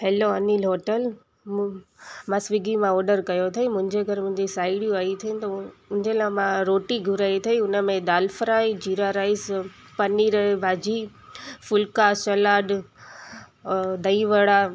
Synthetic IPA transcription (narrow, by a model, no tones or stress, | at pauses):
heːloɐnilɦoːʈəl | mãsʋiɡimãɔːɖəɾkɐjot̪ʰɐimʊ̃ɦɪ̃ɲd͡ʑeɡʱɐɾmʊ̃ɦɪ̃ɲd͡ʑisaːɪɽijũaːit̪ʰɐ̃t̪ʊnɪ̃ɲd͡ʑelamãɾoːʈiɡʱʊɾaːit̪ʰɐiʊnəmẽd̪aːlfɾaːid͡ʑiːɾaɾaːɪs | pɐniːɾɐɦebʱaːd͡ʑi | fʊlkasɐlaːɖ | d̪ɐiʋəɽa